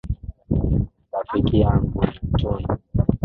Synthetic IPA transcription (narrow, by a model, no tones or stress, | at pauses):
ɓafikijaŋɡunitɔni